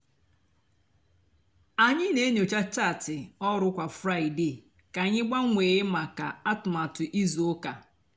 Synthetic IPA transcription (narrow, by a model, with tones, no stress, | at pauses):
a˨ɲɪ˦ne˦ɲo˨t͡ʃa˦t͡ʃa˦˨tɪ˨ɔ˦ɾʊ˦kʷa˨fɾa˦˨i˨de˨ | ka˨ɲɪ˦ɡ͡ba˦ŋʷe˨ɣɪ˦ma˨ka˨a˦tʊ˨ma˨tʊ˨ʔi˦zo˨ʊ˦ka˨